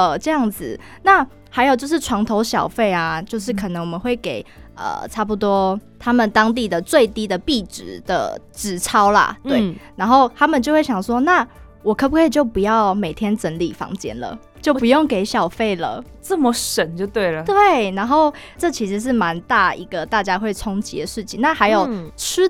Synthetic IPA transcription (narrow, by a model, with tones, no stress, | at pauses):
ʈ͡ʂɤ˥˧jɑ˥˩ŋd͡z̩˨˩ | na˥˩ | xa˧˥ɪjt͡ɕjo˥˧ʊʂ̬ɻ̩˥˩ʈ͡ʂʰwɑ˧˥ŋt̪ʰo˧˥ʊɕjɑ̰˨˩ʊfe˥˩ɪa˩t͡ɕjo˥˧ʊʂɻ̩˥˩kʰɤ˨˩nə˧ŋwɔ˨˩mə˦nxwe˥˩ɪke˨˩ɪə̰˩ʈ͡ʂʰa˥˩pu˧˥t̪wɔ˥t̪ʰa˥mə˨nt̪ɑ˥ŋt̪̬i˥˩d̪ə˩t͡swe˥˨˩ɪt̪i˥d̪ə˨pi˥˩ʈ͡ʂɻ̩˨˩d̪̥ə̰˨ʈ͡ʂɻ̩˨˩ʈ͡ʂʰɑ˥ʊla̰˨˩t̪we˥˩ɪna˧˥nxo˥˩ʊt̪ʰa˥mə˨nt͡ɕo˥˧xwe˥˩ɕjɑ˨˩ŋswɔ˦na˥˩ | wɔ˨˩kʰɤ˥pu˧kʰwe˥˧ɪt͡ɕjo˥˩ʊpu˧jɑ˥˩ʊme˨˩ɪt̪ʰjɛ˥nt͡sə˧˦˥nli˨˩fɑ̰˧˥ŋt͡ɕjɛ̰˥nlə̰˨ | t͡ɕjo˥˩ʊpu˧˦jo˥˩ŋke˨˩ɪɕjɑ˨˩ʊfe˥˩ɪlə̰˩ | t͡sə˥˩mə˨ʂə˨˩nt͡ɕjo˥˧ʊt̪we˥˩ɪlə˩t̪we˥˩ɪna˧˥nxo˥˧ʊʈ͡ʂɤ˥˩t͡ɕʰi˧˥ʂɻ̩˧˥ʂ̬ɻ̩˥˩ma˧˦nt̪a˥˩ḭ˧˥ɡə˨t̪a˥˩t͡ɕja˥xwe˥˩ɪt͡sʰʊ˥ŋt͡ɕḭ˧˥d̪ə˨ʂɻ̩˥˩t͡ɕʰḭ˨˦ŋna˥˩xa˧˥ɪjo˨˩ʊt͡s̩ʰ˥